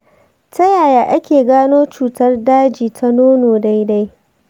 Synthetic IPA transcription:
tɐ˦jaː˨jaː˨ʔa˦kʲeː˨ɡaː˦noː˦t͡ʃuː˨tɐ˦rdaː˦d͡ʒiː˨tʰa˦noː˦noː˨da˦jda˦j

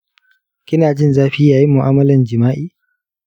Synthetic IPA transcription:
kʲɪ˦naː˨d͡ʒɪ˦nzaː˦ɸi˦jaː˨ji˦mʊ˨ʔaː˦mɐ˦lɐ˨nd͡ʒɪ˨maː˦ʔiː˦

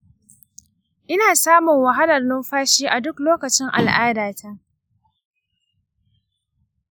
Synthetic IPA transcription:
ʔɪ˦naː˨saː˦mʊ˨ŋwɐ˨ɦa˦lɐ˨rnɪ˦mɸaː˦ʃiː˦ʔa˨dʊ˦kloː˦kɐ˨t͡ʃɪ˦ŋʔa̰˨lʔaː˦daː˨tʰa˦ʔ

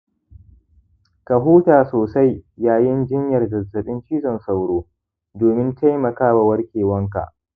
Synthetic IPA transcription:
ka˨ɦuː˦taː˨soː˨sa˦jːaː˦jɪ˦nd͡ʒɪ˦ɲjɐ˨rdɐ˨tːɐ˨ɗɪ˦nt͡ʃiː˦zɔ˨nsa˨wɽoː˦ | doː˨mɪ˦nta˦jmɐ˨kaː˦ba˨wɐ˦rkʲeː˨wɐ˦ŋka̰˨ʔ

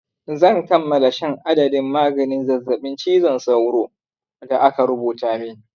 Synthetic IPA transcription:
zɐ˦˨nkɐ˦mːɐ˨la˨ʃɛ˦ŋʔa˦dɐ˨dɪ˦mːaː˦ɡɐ˨nɪ˦nzɐ˨zːɐ˨ɓɪ˦nt͡ʃiː˦zɔ˨nsa˦wɽoː˦ | da˨ʔa˦ka˨ɾʊ˦buː˨taː˦mi˦

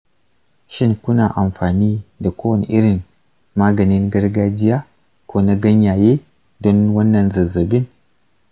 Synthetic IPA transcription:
ʃi˦nku˦na˨ʔa˨mfaː˨ni˦da˨ko˦wɐ˨n˨ʔɪ˦ɾi˨n | maː˦ɡɐ˨ni˦nɡɐ˦ɾɡa˦d͡ʒi˦ja˦ | kʷo˦na˦ɡɐ˦ɲja˨je˦ | do˦nwɐ˦nːɐ˨nzɐ˨zɐ˨bi˦n

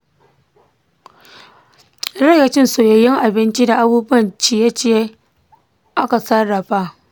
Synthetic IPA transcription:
ɽɛ˦ɡɐ˨t͡ʃɪ˦nsoː˨jɐ˨jɪ˦ŋʔa˨bɪ˦nt͡ʃi˦da˨ʔa˦buː˦bʊ˦ɐ˨nt͡ʃiː˦ja˦t͡ʃeː˦˨ | ʔa˦ka˨sɐ˦ɽɐ˨ɸa˦

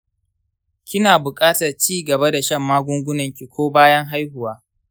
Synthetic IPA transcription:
kʲɪ˦naː˨bʊ˨kʼaː˦tɐ˨rt͡ʃiː˦ɡɐ˨ba˦da˨ʃɐ˦˨mːaː˦ɡʷʊ˦ŋɡʷʊ˦nɐ˨ŋkʲi˨kʷoː˦baː˦jɐ˦ŋɦa˦jhʊ˨waː˦

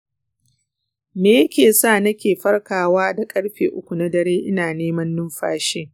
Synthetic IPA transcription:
meː˨jɐ˦kʲeː˨saː˦˨nɐ˦kʲeː˨ɸɐ˦rkaː˨waː˦da˨kʼɐ˦ɽɸḛː˨ʔʊ˦kʷu˨na˦dɐ˨ɾeː˦ʔɪ˦naː˨neː˦mɐ˦nːʊ˦mɸa̰ː˦ʃeː˦

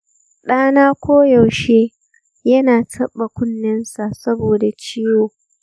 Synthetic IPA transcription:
ɗaː˦naː˦kʷoː˦jɐ˨wʃeː˦ | jɐ˦naː˨tʰɐ˦ɓːa˨kʷʊ˦nːɐ˦nsa˨ʔsɐ˦boː˨da˨t͡ʃiː˦joː˨

